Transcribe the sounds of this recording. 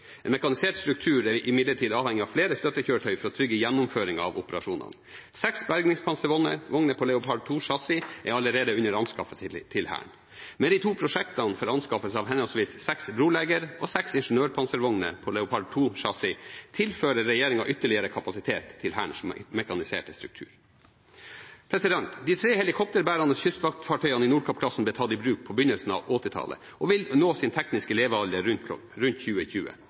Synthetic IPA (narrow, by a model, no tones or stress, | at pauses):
ɛ̰ːnmɛkɑnɪseːʈst̪ɾʉk̚t̪ʰʉːɾɛʔɪmɪd̪ləʈʰiːd̪ɑːʋhɛŋːɪɑʋfleːɾəst̪œt̪ːəçøːʈʰœʏfɔɾɔt̪ʰɾʏɡəjɛnːʊmføːɾɪŋɑ̰ʋʊpəɾɑʂuːnɑ̰n | sɛksbæɾɡnɪŋspʰɑnsəɾʋɔnə̰ɾʋɔŋnəpʰɔlɛʊpʰɑɖ̪̚t̪ʰuːʂɑsɪʔɛɑləɾeːd̪əʉnəɾɑnskɑfəst̪ʰɪlhæ̰ːɳ | mɛnd̪ɪt̪ʰuːpʰɾʊʂɛkt̪ɑnfɔɾɑnskɑfəsɑːʋhɛnɔlsʋiːssɛksbɾuːleːɡəɾʔɔsɛksɪnʂn̩øːɾpʰɑnsəɾʋɔŋnə̰pʰɔlɛʊpʰɑɖ̪̚t̪ʰuːʂɑsɪt̪ʰɪlføːɾəɾːɛjeːɾɪŋɑ̰ʔʏt̪ːəɭɪəɾəkʰɑpɑsɪt̪ʰeːt̪ʰːɪlhæːɳʂmɛkɑnɪsḛːʈəst̪ɾʉk̚t̪ʰʉ̰ːɾ | pʰɾɛsɪd̪ɛnt̪d̪iːt̪ʰɾeːhɛlɪkʰɔp̚t̪əɾbæːɾɑnəsçʏst̪ʋɑk̚t̪fɑʈʰœʏɑnɪnuːɖkʰɔpkʰlɑsn̩blɛt̪ʰɑːt̪ɪbɾʉːk̚pʰɔbʏnəlsn̩ɑ̰ːʋʔɔt̪ɪt̪ʰɑ̰lə̰ | ʔɔʋɪlnoːsɪnt̪ʰɛknɪskəleːʋəɑljəɾʉnt̪ɾʉnt̪çʉːəçʉːə̰